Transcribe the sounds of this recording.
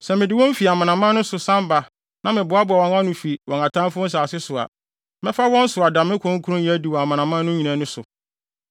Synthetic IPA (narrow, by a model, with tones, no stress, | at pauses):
sɛ˨mɪ̃˨dɪ˦wɔ̃˦m̩˦fi˨a˨mã˨nã˨mã˦nʊ̃˦sʊ˨sã˦mba˨ | nʔã˦mɪ̃˨bʊ˨˦a˦bʊ˨a˨wɔ̃˨ŋã˦nʊ̃˨fi˨wɔ̃˨ŋa˨tʰã˦m˦fʊ̃˦n̩˦s̬aː˨sɪ˦sʊ˨a̰˨ | mɪ̃˦fa˦wɔ̃˦n̩˦sʊ˨a˨dã˨mɪ̃˦kʰʊ̃˦ŋ̩˦kʰu˦ɾʊ̃˦ji˦æ˦di˨wɔ˨a˨mã˨nã˨mã˦nʊ̃˦ɲĩ˨nã˨˦nʊ̃˦sʊ˨